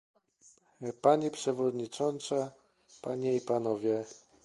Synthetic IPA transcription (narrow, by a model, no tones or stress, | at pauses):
paɲipʂɛvɔd̪ɲit͡ʂɔnt̪sa | paɲɛipanɔvʲjɛ